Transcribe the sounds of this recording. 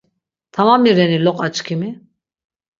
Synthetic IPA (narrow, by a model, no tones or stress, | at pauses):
t̪ʰamamiɾɛnilɔqʼat͡ʃʼkʰimi